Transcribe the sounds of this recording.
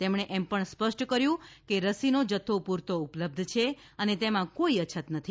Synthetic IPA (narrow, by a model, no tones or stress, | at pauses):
t̪emɳ̃eʔɛmpəɳspəʃʈkəɾjũkeɾəsinod͡ʒət̪ʰːopuɾt̪oupləb̚d̪ʱt͡ʃʰe | ənet̪emãkoiət͡ʃʰət̪nət̪ʰi